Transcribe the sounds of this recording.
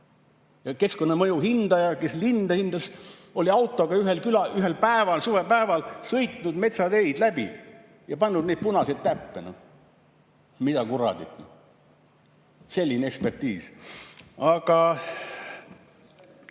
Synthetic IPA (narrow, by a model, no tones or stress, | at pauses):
jɑke̞sko̞nːɑmɤjuhind̪̥ɑjɑke̞slind̪̥ɑhind̪̥ɑso̞lʲiɑwt̪ːˑo̞ɡ̥ɑyɦelkylɑyɦelpæevɑlsuːɾepæevɑlsɤjt̪ˑnud̪me̞t̪sɑd̪e̞jd̪̥læbḭ | jɑpɑnːud̪ned̪̚punɑsid̪̥̚t̪æpːeno̰ | mid̪ɑkuɾɑ̰d̪̥it̪n | se̞lʲːinee̞kspe̞rt̪iːs | ɑɡɑ